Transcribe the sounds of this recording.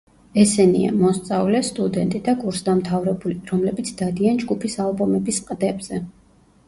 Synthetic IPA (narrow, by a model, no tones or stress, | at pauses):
ɛsɛnḭa̰mɔst̪sʼavlɛst̪ʼud̪ɛnt̪ʼid̪akʼuɾsd̪amt̪ʰavɾɛbuliɾɔmlɛbit̪sʰd̪ad̪iand͡ʒɡupʰisalˠbɔmɛbisqʼd̪ɛbz̥ɛ